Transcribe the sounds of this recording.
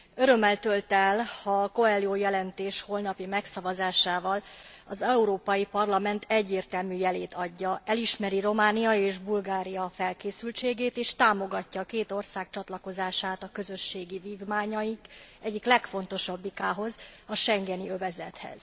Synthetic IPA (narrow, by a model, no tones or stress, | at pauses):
øɾø̞mːɛlt̪ølt̪ɛlhɒko̞ɛːlioːjɛlɛnt̪eːʃho̞lnɒpimɛksɒvɒzaːʃaːvɒlɒzɛuɾoːpɒjipɒrlɒmɛnt̪ʰɛɟːeːrt̪ɛlmyːjɛleːt̪ɒɟːɒɛliʃmɛɾiɾo̞maːnijɒeːʒbulɡaːɾijɒfɛlkeːsylt͡ʃeːɡeːt̪eːʃt̪aːmo̞ɡɒcːɒkeːt̪o̞rsaːkt͡ʃɒt̪lɒko̞zaːʃaːt̪ɒkø̞zø̞ʃːeːɡiviːvmaːɲɒjikɛɟːiklɛkfo̞n̪t̪o̞ʃɒbːikaːɦo̞zɒʃɛŋɡɛniøvɛzɛt̪hɛ̰z̥